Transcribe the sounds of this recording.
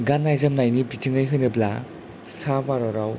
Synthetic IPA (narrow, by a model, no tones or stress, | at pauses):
ɡanːajzamnajnibitʰɯŋɯjɦɯjnɯbla | sabaɾɔɾaw